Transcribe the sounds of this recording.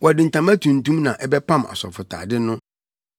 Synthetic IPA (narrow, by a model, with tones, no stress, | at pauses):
wɔ˨dɪ̃˨n̩˨tʰã˨mæ˦tʰũ˨n̩˨tũ˦mnã˨ʔɛ˦bɛ˦pʰã˦˨ma̰˨sɔ̰˨fʊ˨tʰa̰ː˨dɪ˦nʊ̃˦